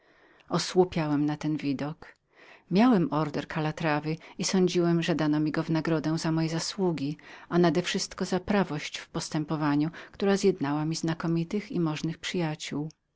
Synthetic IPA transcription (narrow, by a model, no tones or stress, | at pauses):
ɔswupʲjawɛmnat̪ɛnvʲid̪ɔk | mʲjawɛmʔɔɾd̪ɛɾkʰalat̪ɾavɘisɔɲd͡ʑiwɛmʐɛd̪anɔmʲiɡɔvnaɡɾɔd̪ɛw̃zamɔjɛzaswuɡʲianad̪ɛfʂɘst̪kɔzapɾavɔɕt͡ɕfpɔst̪ɛmpɔvaɲukt̪uɾazʲjɛd̪nawamʲiznakɔmʲit̪ɘxḭmɔʐnɘxpʂɘjat͡ɕuw